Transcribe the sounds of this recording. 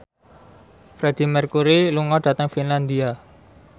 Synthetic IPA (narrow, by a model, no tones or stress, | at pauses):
fɾed̪̥i̤mərkuɾiluŋɔɖ̥a̤t̪əŋfinland̪ia